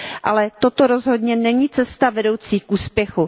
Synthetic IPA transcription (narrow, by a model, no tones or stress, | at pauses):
ʔalɛt̪o̞t̪o̞ɾo̞zɦo̞dɲɛnɛɲiːt͡sɛst̪avɛdo̞wt͡siːk̚ʔuːspjɛxu